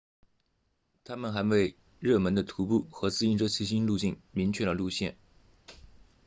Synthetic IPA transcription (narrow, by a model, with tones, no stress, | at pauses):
t̪ʰa˥mə˨nxa˧˥nwe˥˧ɪ | ɻɤ˥˩mə˧˥nd̪ə˧t̪ʰu˧˥pu˥˩xɤ˧˥t͡sɹ̩˥˧i˥nʈ͡ʂɤ˥t͡ɕʰi˥˩ɕ̬i˥nlu˥˧t͡ɕi˥˩ŋmi˧˥ŋt͡ɕʰɥɛ˥˩d̪ə˩lu˥˧ɕjɛ̰˥˩n